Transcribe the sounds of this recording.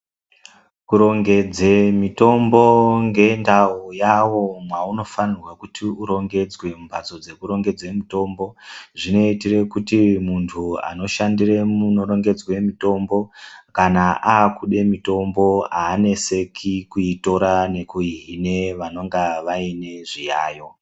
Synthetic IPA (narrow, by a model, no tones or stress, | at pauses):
kuɾo̞ŋɡe̞d͡zemito̞mbo̞ŋɡe̞ndaujawo̞mwauno̞fanirwakutʰiuɾo̞ŋɡe̞d͡zwe̞mbat͡so̞d͡ze̞kuɾo̞ŋɡe̞d͡zwe̞mito̞ːmbo̞ʐino̞itire̞kutimuntʰua̰no̞ʃandire̞muno̞ɾo̞ŋɡe̞d͡zwe̞mito̞mbo̞kanaʔaːkuɗe̞mito̞mbo̞aːne̞se̞kʰikuito̞ɾane̞kuiɦine̞ʋano̞ŋɡaʋaine̞ʐijaːjo̞